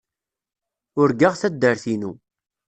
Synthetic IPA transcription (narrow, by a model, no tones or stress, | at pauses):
ʊɾɡaʁθæd̪ːəɾθinu